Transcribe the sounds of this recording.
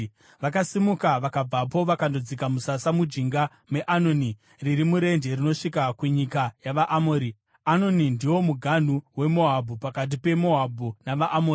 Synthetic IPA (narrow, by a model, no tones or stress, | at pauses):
ʋakasimukaʋakab͡vapo̞ʋakandod͡zikamusasamud͡ʒiŋɡa | me̞ʔano̞ni | riɾimuɾe̞nde̞rino̞ʂikakuɲikajaʋaʔamoːɾi | ano̞nindiwo̞muɡʱan̤uwe̞mo̞ɦabʱupakat̬ipe̞mo̞ɦabʱunaʋaʔːmoːri